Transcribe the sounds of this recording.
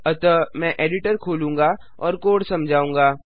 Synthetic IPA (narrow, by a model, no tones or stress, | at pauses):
ɐt̪əmɛ̃ʔeːɖɪʈəɾkʰoːlũːŋɡaː | ɔːɾkoːɖsɐmd͡ʒʱaːũːŋɡaː